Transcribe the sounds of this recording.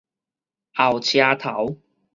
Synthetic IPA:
ʔa˨˩wt͡ɕʰjaː˧t̪ʰɐ˨˥w

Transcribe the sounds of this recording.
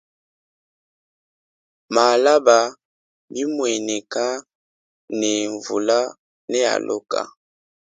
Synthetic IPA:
ma˨la˦ba˨ | bi˦mwɛ˨nɛ˨ka˦ | nɛ˨ɱvu˨la˦ | nɛ˦a̰˨lʔo˦ka̰˨

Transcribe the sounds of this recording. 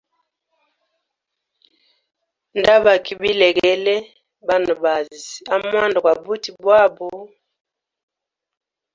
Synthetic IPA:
nda˦ba˨ki˦bi˦lɛ˨ɡɛ˦lɛ˦ | ba˦na˨ba˨zi˨a˦mwa˦nda˨kwa˨bu˦ti˨bwa˦bu˨

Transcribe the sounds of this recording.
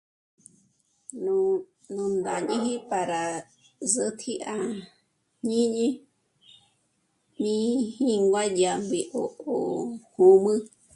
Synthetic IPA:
n | nũ˧nd̪a˨ɲĩ˦ɦĩ˦pa˨ɾa˨ | sɨ˦t̪ʰi˦ʔa˧ | ɲĩ˦ɲĩ˦ | nĩ˦hĩ˦ŋɡwa˦d͡ʒa˧mbi˧ʔo˨ʔo˨hũ˧mɨ̃˦

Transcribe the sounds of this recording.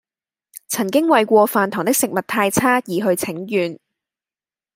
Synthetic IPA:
t͡sʰɐ˨˩nkɪ˥ŋwɐ˨jkʷɔː˧faː˨˩nt̪ʰɔː˨˩ŋt̪ɪ˥k̚sɪ˨k̚mɐ˨˩t̚t̪ʰːaː˧jt͡sʰaː˥jiː˨˧ɦɵ˧ɥt͡sʰɪ˨˥ŋjyː˨n

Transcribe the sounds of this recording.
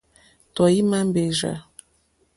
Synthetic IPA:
t̪ɔ˨ji˦mã˦m˦be˨ʒa̰˨

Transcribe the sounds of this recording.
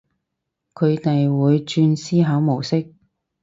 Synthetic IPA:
kʰɵ˨˧ɥt̪ɐ˨jwuː˨˧jt͡ʃyː˧nsiː˥ɦɐ˨˥wmo˨˩wsɪ˥k̚

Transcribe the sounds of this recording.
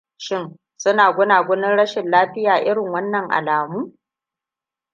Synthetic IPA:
ʃɪ˦n | sʊ˦naː˨ɡʷʊ˦naː˨ɡʷʊ˦nɪ˦nɽɐ˦ʃɪ˨nlaː˦ɸɪ˦jaː˨ʔɪ˦ɽɪ˨ŋwɐ˦nːɐ˨ŋʔa̰˨laː˨muː˦

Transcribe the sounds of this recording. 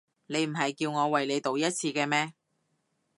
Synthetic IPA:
ne˨˧jm̩˨˩ɦɐ˨jkiː˧wŋɔː˨˧wɐ˨˩jle˨˧jt̪o˨wjɐ˥t̚t͡sʰiː˧kɛː˧mɛː˥

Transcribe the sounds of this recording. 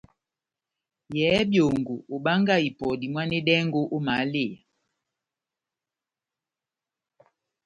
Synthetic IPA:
jɛ˨˦bjo˨ŋɡo˨ʔo˨ɓa˦ŋɡa˦˨i˨pɔ˨di˨mwa˦ne˦ɗɛ˦ŋɡo˦ʔo˦ma˨˦le˦˨a˨

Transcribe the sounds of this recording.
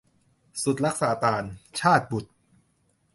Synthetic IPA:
su˨˩t̪̚ɾa˦˥k̚saː˩˦t̪aː˧nt͡ɕʰaː˥˩t̪̚bu˨˩t̪̚

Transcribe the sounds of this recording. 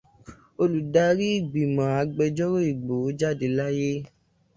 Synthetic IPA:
o˧lu˨da˧˦ɾi˦i˦˨ɡ͡bi˨mã˨a˨˧ɡ͡bɛ˧d͡ʒɔ˦ɾo˦i˨ɡ͡bo˨o˨˦d͡ʒa˦˨de˧la˦je˦

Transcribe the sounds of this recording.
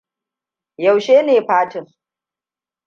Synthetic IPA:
jɐ˨wʃeː˦neː˨ɸaː˦tɪ˨ŋ

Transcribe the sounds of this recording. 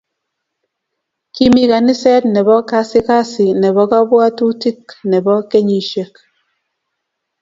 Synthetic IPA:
ki˦mi˦ka˨ni˦sɛ˦tnɛ˨bɔ˦ka˦si˦ka˦si˨nɛ˨βɔ˨˦ka˦bɔ˦a˦tu˦ti˦knɛ˨bɔ˦ke˦ɲi˨ʃe˦k̚

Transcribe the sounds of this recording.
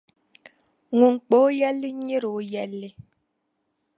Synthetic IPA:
ŋu˨ŋ˨k͡po˨˦jɛ˦li˦ɲi˦ɾo˨˦jɛ˦lːi˦

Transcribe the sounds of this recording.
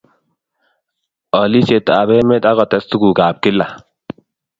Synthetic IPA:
ɔ˨li˦se˨t̪ːa˨be˦me˦t̪a˦kɔ˨t̪ɛ˨˦st̪ʊ˦ɡu˨ɡaː˨p̚kɪ˦lːa˨

